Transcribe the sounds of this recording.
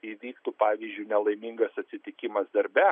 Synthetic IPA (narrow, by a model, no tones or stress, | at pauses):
iːʋʲiːkt̪ʊpɑːʋʲizʲd͡ʒʲʊɪnʲɛlˠɐɪmʲɪŋɡɐsɐt̪ʲsʲɪt̪ʲɪkʲɪmɐsd̪ɐɾʲbʲæ